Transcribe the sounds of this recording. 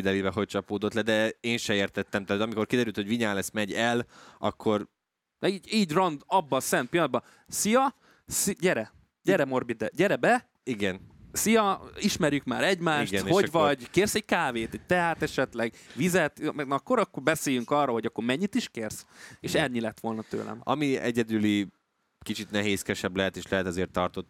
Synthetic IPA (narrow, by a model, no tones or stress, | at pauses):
id̪ɛlibɛɦo̞c̚t͡ʃɒpoːd̪ot̪lɛd̪ɛeːnʃɛeːrt̪ɛt̪ːɛmt̪aːt̪ɒmiko̞rkid̪ɛɾylt̪hoviɲaːlɛst̪mɛɟɛlɒ̰kʰːo̞ɾ | iːɟiːɟrɒnd̪ɒbːɒsɛnt̪̚pilːnd̪bɒ | sijɒ | sɟɛɾɛ | ɟɛɾɛmo̞rbid̪ɛɟɛɾɛbɛ | iɡɛnsijɒiʃmɛɾjykma̰ːɾɛɟmaːʃitɡɛnho̞ɟʋɒɟkeːrsɛɟkaːveːt̪ɛc̚t̪ɛɦaːt̪ɛʃɛt̪lɛɡʋizɛt̪mɛɡnkːo̞ɾɒkːorbɛseːjyŋkɒrːoɦo̞ɟɒkːo̞ɾmɛɲːit̪iʃkeːrseːʃɛlɲilɛt̪ʋo̞lnɒt̪ø̰ːlɛ̰mɒ̰miɛ̰ɟɛd̪yli | kit͡ʃit̪nɛɦeːskɛʃɛblɛɦɛt̪eːʃlɛɦɛt̪ɛzeːrt̪ːɒrt̪ot̪